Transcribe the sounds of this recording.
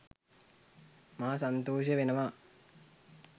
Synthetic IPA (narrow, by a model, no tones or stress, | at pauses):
maːsant̪oːʃjəʋenəʋaː